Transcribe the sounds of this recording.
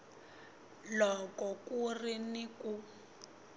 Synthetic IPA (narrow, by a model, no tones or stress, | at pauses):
lɔkɔkuriniku